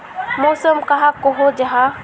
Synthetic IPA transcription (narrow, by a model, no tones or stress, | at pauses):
moːsəmkɐɦakoɦod͡ʒɐɦa